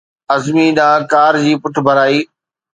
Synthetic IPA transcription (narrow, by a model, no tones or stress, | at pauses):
ɐzmiɗ̪ãːkaːɾd͡ʑiːpʊʈʰbʱɐɾaːiː